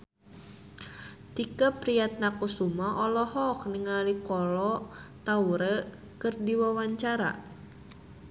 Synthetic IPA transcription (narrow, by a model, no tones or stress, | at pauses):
t̪ikapɾiat̪̚nakusumaʔɔlɔhɔk̚nəŋalikɔlɔt̪auɾə | kɨrdiwawaɲt͡ʃaɾa̰